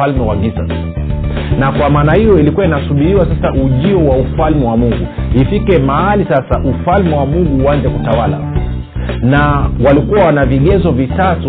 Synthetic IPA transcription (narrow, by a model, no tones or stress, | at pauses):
almɛwaɡiza̰s | nakwamaːnahijɔilikuwainasuɓiɾiwasasauʄiɔwaufalmɛwamuŋɡuifikɛmahalisasaʔufalmɛwamuŋɡuːanzɛkutawala̰ | nawalikuwawanaviɠɛzɔvitatu